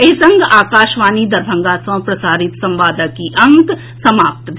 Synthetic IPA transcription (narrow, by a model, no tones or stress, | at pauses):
esɐ̃ŋɡaːkaːʃʋaːnid̪ɐɾbʱɐ̃ŋɡaːsɐ̃ːpɾɐsaːɾɪt̪sɐ̃mʋaːd̪əkiʔɐ̃ŋk | sɐmaːp̚t̪d̪ʱ